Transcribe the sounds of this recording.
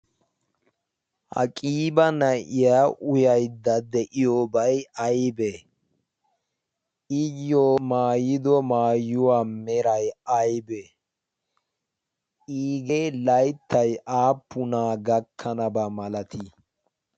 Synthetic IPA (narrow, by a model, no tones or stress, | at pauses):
hɐ̰kʼiːbɐnɐʔɪjaːʔʊjɐjd̪ɐd̪ɛʔɪjoːbɐjɐjbe | ʔɪjːoːmaːjɪd̪ɔmaːjːʊwaːmɛɾɐjɐjbe | ʔiːɡelɐjt̪ːɐjʔaːpːʊnaːɡɐkʰːɐnɐbɐmɐlɐt̪ʰi